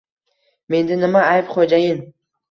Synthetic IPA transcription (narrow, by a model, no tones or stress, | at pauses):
me̞nd̪ɪnɪmaajvχod͡ʒajɪn